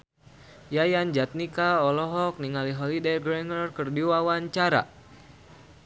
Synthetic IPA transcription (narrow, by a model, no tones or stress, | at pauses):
jajand͡ʒat̪̚nikaɔlɔɦɔk̚niŋaliɦɔlidejɡɾɛŋərkərdiwawaɲt͡ʃaɾa̰